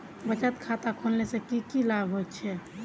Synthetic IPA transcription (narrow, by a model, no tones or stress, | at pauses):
bət͡ʃət̪kʰat̪akʰonlesẽkikilaɡɦot̪t͡ʃʰɛ